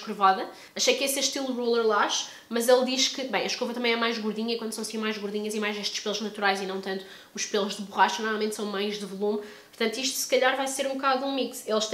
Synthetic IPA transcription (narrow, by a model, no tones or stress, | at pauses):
kɾuvaðɐ | ɐʃɐjkesɐʃt̪ilˠʁulˠɐɾlˠaʃ | mɐzelˠd̪iʃkɨbɐ̃j̃ɐʃkopɐt̪ɐmɐ̃j̃ɛmajʒɣuɾðiɲɐikwɐ̃nd̪sɐ̃w̃ɐsĩmajʒɣuɾðiɲɐzimajzeʃt̪ʃpelˠuʒnɐt̪uɾajzinɐ̃w̃t̪ɐ̃nt̪u̥ | uʃpelˠuʒðɨβuʁaʃt̪ɐnɔɾmalˠmẽnt̪sɐ̃w̃majʒðɨvulˠum | puɾt̪ɐ̃nt̪uiʃt̪u̥sɨ̥kɐʎaɾvajseɾũbkaðuũmikselˠʃt̪